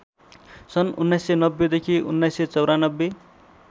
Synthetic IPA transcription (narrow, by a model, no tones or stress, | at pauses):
sʌnṵnːajsːenʌbːed̪ekʰiṵnːajsːet͡sʌwɾanʌbːe